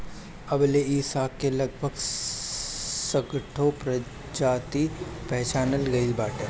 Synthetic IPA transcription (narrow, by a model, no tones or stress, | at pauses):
ɐbleiːsaːkːelɐɡ̚bʱəɡ | səɡʈʰopɾɐ | d͡ʒaːt̪ipɛɦt͡ʃaːnəlɡɐilbaːʈeː